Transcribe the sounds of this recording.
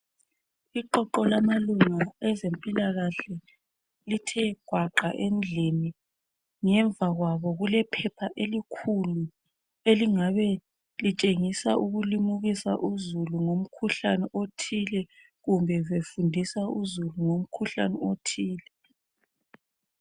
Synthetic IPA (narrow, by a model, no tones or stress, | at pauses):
iǃɔǃɔlamaluŋaɛzempʼilaɣaɬɛ | litʰɛɡ̥ʱwaǃaʔend͡ɮʱini | ŋɛɱb̪vʱaɣwaβɔɣulɛpʰɛpʰaʔelikʰulu | eliŋaβɛ | lit͡ʃʼeŋisaʔuɣulimuɣisa̰ʔuzuluŋom̩kʰuɬanɛʔotʰilɛ | ɣumbʱɛβefundʱisauzuluŋom̩kʰuɬa̰nɛotʰiːlɛ